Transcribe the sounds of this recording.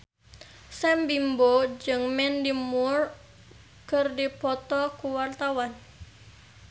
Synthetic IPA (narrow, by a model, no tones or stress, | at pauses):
sɛmbimbod͡ʒɨŋmɛndimur | kərdipɔt̪ɔkuwart̪awan